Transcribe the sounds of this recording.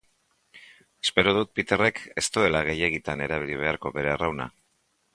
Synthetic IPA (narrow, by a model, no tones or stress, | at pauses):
e̞spe̞ɾoð̞ut̪̚pit̪e̞re̞ke̞st̪ue̞laɣ̞e̞je̞ɣit̪ane̞ɾaβ̞iliβ̞e̞aɾko̞βe̞ɾe̞arawna̰